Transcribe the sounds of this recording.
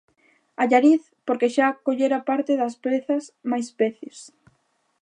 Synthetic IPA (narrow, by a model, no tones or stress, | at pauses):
aʎaɾiθ | poɾkeʃakoʎeɾapaɾt̪eðɐspeθɐsmajspeθis